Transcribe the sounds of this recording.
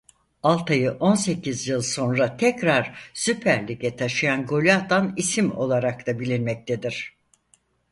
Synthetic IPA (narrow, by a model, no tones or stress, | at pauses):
alˠt̪ʰajɯʔo̞nse̞cʰizjɯlˠso̞nɾat̪ʰɛcɾaɾ̥sypʰæɾlʲikɛt̪ʰaʃɯjanɡo̞lʲat̪anisimo̞̰lˠaɾak̚t̪ʰabilʲinmɛc̚t̪ʰed̪iɾ̥